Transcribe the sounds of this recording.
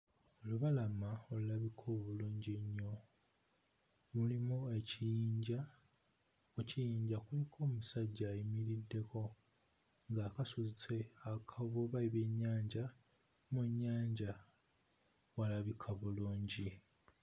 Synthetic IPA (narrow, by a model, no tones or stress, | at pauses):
oluβalamaolulaβikʰo̞ːβuluːɲɟeɲːo̞ | mulimoe̞cijiːɲɟa | ocijiːɲɟakulikʰo̞ːmusaɟːaːjimiɾidːe̞kʰo̞ | ŋɡaːkasuzit͡se̞akʰavoβaiβe̞ɲːaːɲɟa | muɲːaːɲɟa | walaβikʰaβuluːɲɟi